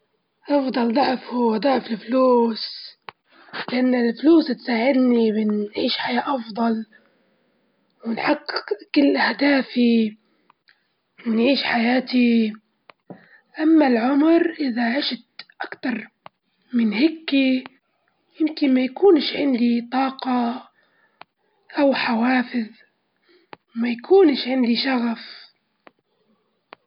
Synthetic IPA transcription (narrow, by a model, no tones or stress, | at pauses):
ʔɑfd̪ˤɑld̪ˤɑʕfud̪ˤɑʕfɪlfluːs | lɪʔanːɪlfluːst̪saːʕɪd̪nibɪnʕiːʃħajaːʔɑfd̪ˤɑl | wɪnħaqːqkɪlːʔahd̪aːfi | nʕiːʃħajaːt̪i | ʔamːalʕʊmɾʔɪðaʕɪʃt̪ʔakt̪ɑɾˤ | mɪnhɪkːi | jɪmkɪnmajakuːnʃʕɪnd̪it̪ˤɑːqɑ | ʔawħawaːfɪð | wmajakʰuːnʃʕɪnd̪iʃaɣaf